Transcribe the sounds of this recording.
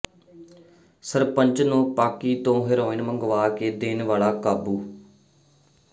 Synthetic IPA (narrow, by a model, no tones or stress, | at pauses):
səɾpəɲt͡ʃnũːpaːkiːt̪õːɦɪɾoːɪnməŋɡʋaːkeːd̪eːnʋaːɭaːkaːbuː